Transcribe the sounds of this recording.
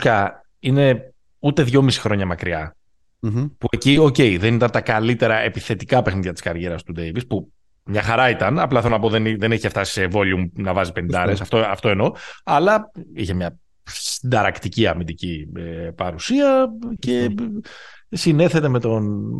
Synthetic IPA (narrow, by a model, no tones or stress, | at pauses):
kɐ | ine̞ | ut̪e̞ðʝo̞misi̥xɾo̞ɲɐmɐkɾiɐ | pue̞cio̞ce̞jðe̞nit̪ɐnt̪ɐkɐlit̪e̞ɾɐe̞piθe̞t̪ikɐpe̞xniðʝɐt̪i̥skɐɾʝe̞ɾɐst̪ud̪e̞jvispu | mɲɐxɐɾɐit̪ɐnɐplɐθeonɐpo̞ðenðe̞neçeft̪ɐsi̥sevo̞liumnɐvɐzipenind̪ɐɾesɐft̪oɐft̪o̞eno̞ɐlɐiçemɲɐ | sind̪ɐɾɐkt̪iciɐmind̪iciepɐɾusiɐce̞ | sine̞θe̞t̪e̞me̞t̪o̞n